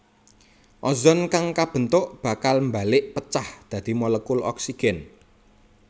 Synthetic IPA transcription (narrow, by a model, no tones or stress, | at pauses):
ʔɔzɔnkaŋkab̥ə̤nt̪ʊʔb̥a̤kalmba̤lɪʔpət͡ʃahd̪̥ä̤d̪̥i̤mɔləkʊlɔ̰ksiɡ̥ɛn